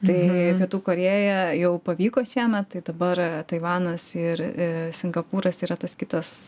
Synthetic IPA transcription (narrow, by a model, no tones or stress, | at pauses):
t̪ɐɪpʲiɛt̪uːkoːɾʲeːjɛjɛʊpɐʋʲiːkoːʃʲiːmʲɛt̪t̪ɐɪd̪ɐbɐɾt̪ɐɪʋɑːnɐsɪɾsʲɪŋɡɐpuːɾɐsiːɾɐt̪ɐskʲɪt̪ɐs